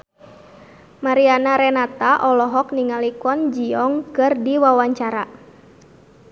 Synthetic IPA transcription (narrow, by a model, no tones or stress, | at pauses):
maɾianaɾɛnat̪aʔɔlɔɦɔkniŋalikɔnd͡ʒiɔŋkɨrdiwawaɲt͡ʃaɾa